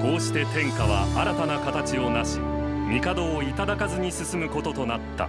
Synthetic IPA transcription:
ko̞ːɕi̥t̪e̞t̪ẽ̞ŋkaβ̞aʔaɾat̪anakat̪at͡ɕio̞naɕi̥mʲikad̪o̞ːit̪ad̪akazɨɲ̟isɨsɨmɯ̟ko̞t̪o̞t̪o̞nat̪ːa̰

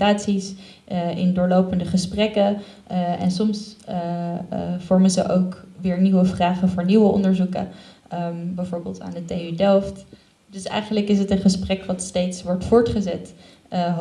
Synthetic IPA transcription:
taːtsis | ɪ̰ndʊːɹlowpəndəχəsprɛkə | ɛ̰nsɔms | v̥ɔɹmənzə̰ʔowkʋɪːɹniwəvraːχəvʊːɹniʋəʔɔ̰ndəɹzukə̰ | bɛjvʊːɹbɪːlˠta̰ːndəteydɛlˠft | dɵsɛ̰jχənləkɪs̬ɦətənχəsprɛkʋɑtstejtsʋɔɹtfʊːɹtχəzɛt

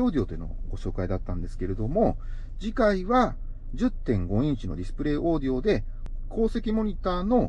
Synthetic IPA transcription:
o̞ːd̪ʲeo̞ːt̪oeno̞̰ɡo̞ɕo̞ːkaid̪at̪ːãnd̪e̞sɨ̥ke̞ɾe̞d̪o̞mo̞ | d͡ʑikaiβa | d͡ʑɨt̪ːẽ̞ŋɡo̞ĩɲt͡ɕino̞̰ɾʲisɨ̥pɯ̟ɾe̞ːʔo̞ːd̪ʲeo̞d̪e̞ | kʰo̞ːse̞kʲimo̞ɲ̟it̪aːno̞

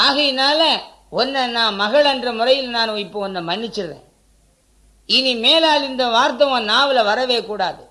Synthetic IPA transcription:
aːɣɐjɪnaːlɐ | ɔnːɐnãːmɐɣɐɭɛndrɐmʊrɐjɪlnaːnʊ̃ɪpːoːɐnd̪ɯmɐnːɪt͡ʃːɪɾɾḛ̃ː | ɪnimeːlaːlɪnd̪ɐʋaːɾt̪ɐʋɐ̃naːʋɪlɐʋɐɾɐʋeːkuːɽaːðɯ

